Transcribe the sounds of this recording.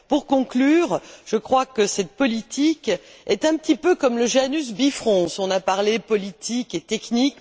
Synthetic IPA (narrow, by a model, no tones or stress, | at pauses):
puʁkɔ̃klyːʁʒ̥əkχwakəsɛt̪̚pɔlit̪ʰikɛt̪ɛ̃pət̪ipøkɔmləʒanys̬bifχɔ̃sɔ̃napaʁlepɔlit̪ʰiket̪ɛknik